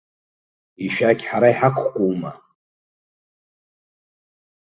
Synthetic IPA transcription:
iʃᶣakʲħaɾaiħakʷʰkʷʼowma̰

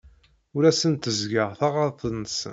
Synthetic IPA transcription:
ʊɾæsənt̪əzɡəʁθɑʁɑɾˤθənːəsə̰

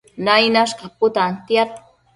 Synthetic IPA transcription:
najnaʃkapʊt̪ant̪jat̪̚

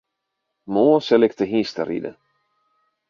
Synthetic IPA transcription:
moːsɛlɪk̚t̪əɦĩst̪ə̰ɾḭdə̰

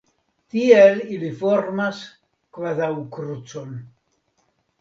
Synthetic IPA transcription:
t̪ielilifoɾmas | kvaðawkɾut͡son

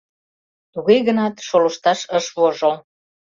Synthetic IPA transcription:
t̪uɣejɣənɑt̪ʃolə̆ʃt̪ɑʃəʃβoʒəl

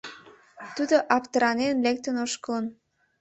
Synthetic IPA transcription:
t̪ud̪oʔɑpt̪əɾɑnenlek̚t̪ənoʃkələn

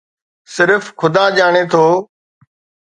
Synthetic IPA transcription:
sɪɾfkʊd̪aːd͡ʒaːɳ̃eːt̪ʰoː

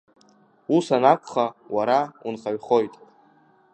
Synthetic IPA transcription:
usanakʷʼχawaɾaunχaɥχo̞jtʼ

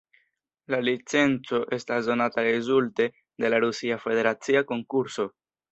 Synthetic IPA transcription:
lalit͡se̞nt͡so̞ʔe̞stasdo̞nataɾe̞zulte̞ | de̞laɾusiafe̞de̞ɾat͡siako̞ŋkuɾso̞

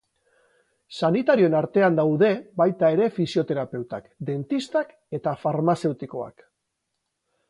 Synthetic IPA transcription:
sanit̪aɾio̞enaɾt̪e̞and̪awðe̞bajt̪ae̞ɾe̞fisio̞t̪e̞ɾape̞wt̪akd̪e̞nt̪ist̪ak | e̞t̪afaɾmase̞wt̪iko̞a̰k

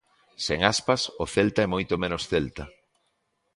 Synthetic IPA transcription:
seŋaspasʊθelt̪aɛmojt̪omẽnosθelt̪a

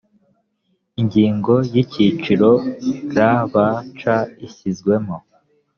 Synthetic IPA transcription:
iɲɟiːŋɡo̞jicit͡ʃiɾo̞ɾaβat͡ʃaisizɡwe̞mo

